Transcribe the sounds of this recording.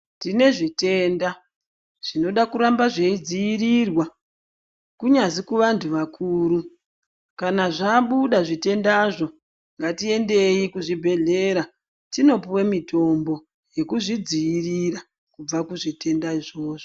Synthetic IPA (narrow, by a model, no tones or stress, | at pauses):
tine̞ʐite̞ːnda | ʐ̥ino̞ɗakuɾambaʐe̞id͡zijirirwa | kuɲazikuʋantʰuʋakʰuːɾu | kanaʐaːɓuɗaʐite̞ndaʐo̞ | ŋɡatie̞nde̞ikuʐibʱe̞ɮe̞ɾa | tino̞puwemito̞mbo̞ | je̞kuʐid͡zijirira | kub͡vakuʐite̞ndaiʐo̞ːʐo